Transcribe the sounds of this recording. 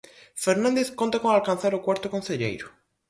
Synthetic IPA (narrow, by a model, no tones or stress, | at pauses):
feɾnãnd̪eθkont̪akoŋalkanθaɾokwaɾt̪okõnθeʎḛjɾʊ